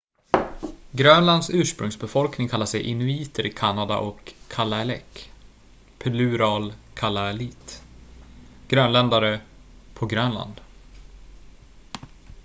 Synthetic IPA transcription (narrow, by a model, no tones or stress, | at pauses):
ɡɾœnland̪sʉ̟ːʂpɾɵŋsbɛfɔlknɪŋkʰalːaʂɛjʔɪnʉiːt̪ʰəɾʔɪkʰanːad̪a̰ʔɔkʰːalːaɛlɛ̰kː | pʰɛlʉːɾɑːlkʰalːaɛliːt̪ | ɡ̥ɾœːnlɛnd̪aɾəpʰɔɡɾœnla̰nd̪